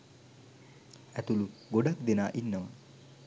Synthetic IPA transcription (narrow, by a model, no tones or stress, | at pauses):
æt̪uluɡoɖakd̪enaːʔinːəʋɐ